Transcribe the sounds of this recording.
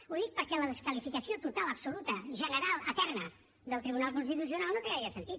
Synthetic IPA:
uðik̚pəɾkɛləðəskəlifikəsiot̪ut̪aləpsulut̪əʒənəɾalˠət̪ɛrnə | d̪əlˠt̪ɾiβunalˠkunst̪it̪us̬iunalˠnot̪əɛiəsənt̪it̪

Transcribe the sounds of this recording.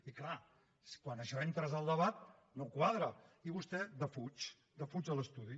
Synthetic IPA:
ikla | skwanəʃɔent̪ɾəzəlˠd̪əβat̪̚ | nowkwaðɾəiβust̪ɛd̪əfut͡ʃ | d̪əfut͡ʃələst̪uð̞i

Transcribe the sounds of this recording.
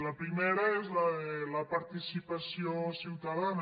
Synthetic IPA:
lapɾimeɾaezlaelapaɾt̪isipasjosiwt̪aðan

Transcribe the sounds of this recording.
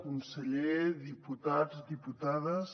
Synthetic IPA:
kunseʎeðiput̪azd̪iput̪aðəs

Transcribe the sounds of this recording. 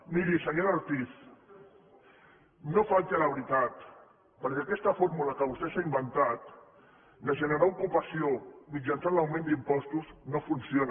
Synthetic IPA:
miɾisəɲoɾaɾt̪is | nofalt̪aləβ̞ɾit̪at̪ | pəɾkɛakɛst̪əfoɾmuləkəβust̪esaimbənt̪at̪ | d̪əʒənəɾaukupasiomid͡ʒansanlawmẽnd̪impɔst̪uznofunsion

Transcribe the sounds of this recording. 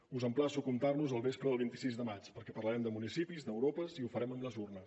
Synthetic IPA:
uzəmplasukumt̪arnuzəlˠβespɾəðəlˠβint̪i̥sizðəmat͡ʃpəɾkɛpərləɾɛmd̪əmunisipizd̪əwɾopəziufəɾɛməmbləzurnəs

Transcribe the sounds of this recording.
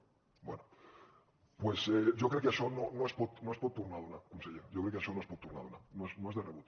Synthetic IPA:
bwḛno | pweseʝokɾekeaʃononoespot̪noespot̪ːuɾnaðonakunseʎeɾɟ͡ʝokɾekeaʃonoespot̪ːuɾrna̰ðona̰noesnoe̞zðereβut̪

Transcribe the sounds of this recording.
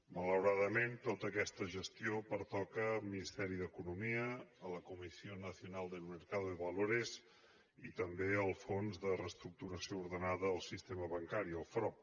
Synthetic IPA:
mələwɾaðəment̪ot̪əkɛst̪əʒəst̪iopəɾt̪ɔkəlˠminist̪ɛɾiðəkunumiəələkumisionəsiunalˠd̪əməɾkaðuðəβəloɾez | it̪əmbeəlˠfonzðərəst̪ɾuk̚t̪uɾəsiouɾðənaðəːlˠsist̪eməβəŋkaɾiəlˠfɾɔp̚

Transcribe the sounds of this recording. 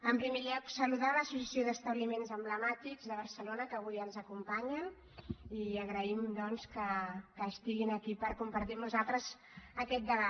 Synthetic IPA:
əmpɾimeʎɔksəluðaləsusəsioðəst̪əβlimenzəmbləmat̪iɡzðəβ̞əɾsəlonəkəβujənzəkumpaɲən | iəɣɾəimd̪ɔnskəkəːst̪iɣinəkipəɾkumpəɾt̪imuzalˠt̪ɾəz | əkɛt̪̚d̪əβa

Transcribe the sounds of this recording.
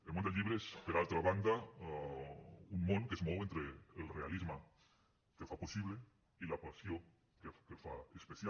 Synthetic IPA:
elmõnd̪elʎiβɾeespeɾalt̪ɾaβand̪a | unmoŋkesemoβent̪ɾeːlrea̰lizma | kefaposiβle | ilapasjo | kekefaespeθja

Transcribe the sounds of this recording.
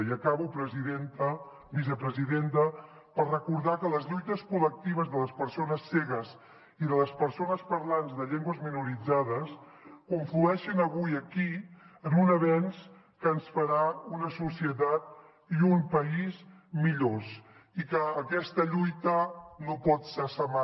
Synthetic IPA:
jəkaβupɾəziðent̪ə | βis̬əpɾəziðent̪ə | pəɾrəkuɾðakələzʎujt̪əskulək̚t̪iβ̞əzðələspəɾsonəsːɛɣəz | iðələspəɾsonəspəɾlanzðəʎɛŋɡwəzminuɾid͡zaðəs | kuɱfluɛʃənəβujəkiənunəβɛns | kəːnsfəɾaunəsusiət̪at̪̚ | jumpəiz | miʎos | ikəːkɛst̪əʎujt̪ənopɔt̪sɛsəma

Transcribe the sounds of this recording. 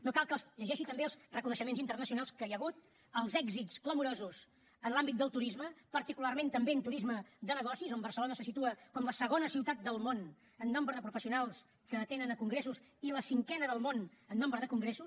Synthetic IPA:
nokalˠkəlˠsʎəʒɛʃit̪əmbeəlzrəkunəʃəmenzint̪ərnəs̬iunalˠskəjəɣut̪ | əlˠzɛɡzitskləmuɾozus | ənlambit̪̚d̪əlˠt̪uɾizməpəɾt̪ikularmẽnt̪əmbeənt̪uɾizməd̪ənəɣ̞ɔsizombərsəlonəsəsit̪uəkɔmləsəɣ̞onəsiwt̪at̪̚d̪əlˠmon | ənːombɾəðəpɾufəsiunalˠs | kəːt̪enənəkuŋɡɾesus | iləsiŋkɛnəðəlˠmonənːombɾəðəkuŋɡɾesu

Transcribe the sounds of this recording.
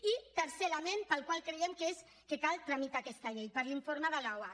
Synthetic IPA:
it̪əɾselamenpəlˠkwalˠkɾeemkes | kekalˠt̪ɾamit̪akɛst̪aʎejpəɾliɱfoɾmaðalawa

